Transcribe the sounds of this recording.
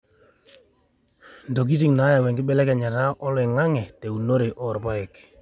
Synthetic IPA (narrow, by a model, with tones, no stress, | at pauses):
ndo˨k̬i˦ti˨ŋna˨˦ja˨wɛ˨ŋɡɪ˦ɓɛ˦lɛ˦kɛ˨ɲa˨ta˦ʔɔ˦lwɛ˨ŋa˦ŋɛ˨te˨u˨no˦ɾe˨ʔɔ˦˨ɾpa˦ɛ˨k